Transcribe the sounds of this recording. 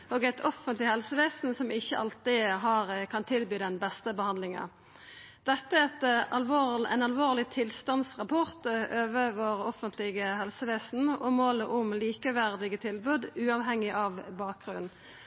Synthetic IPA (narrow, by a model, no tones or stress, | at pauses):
oːɡæɪt̪ʰɔfənt̪lɪhɛlsəʋeːsn̩sɔmɪçːəʔɑlt̪ɪɦɑːʁkʰɑnt̪ʰɪlbyːd̪ɛnbɛst̪əbəhɑnd̪lɪŋɑ̰ | d̪̥ɛt̪ːəɛt̪ɑlʋoːæ̰ɪnɑlʋoːʁlɪt̪ʰɪlst̪ɑnsʁɑpʰɔʁt̪ʔøːʋəʋəʁɔfənt̪lɪɡəhɛlsəʋeːsn̩ɔmoːləʔʊmliːkəʋæʁd̪ɪɡət̪ʰɪlbʉːd̪ʉːɑʋɦɛŋːɪʔɑʋbɑːk̚ɡʁʉnn